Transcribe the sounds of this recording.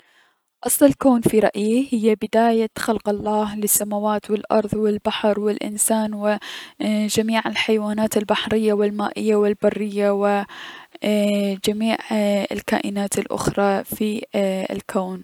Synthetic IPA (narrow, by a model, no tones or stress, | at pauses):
ʔɑsˤlɪlkoːnfiɾˤɑʔjihɪjːabɪd̪aːjaxalqɑlˤːɑːhlɪsːamawaːt̪wɪlʔɑ̰ɾˤðˤwɪlbaħɾˤwɪlʔɪ̰nsaːnwɪ | d͡ʒamiːʕɪlħajwaːnaːt̪ɪlbaħɾɪjːawɪlmaːʔɪjːawɪlbarːɪjːawɪ | d͡ʒamiːʕɪ̰lka̰ːʔɪnaːt̪ɪlʔʊ̰xɾˤɑfiɪ̰lkʰoːn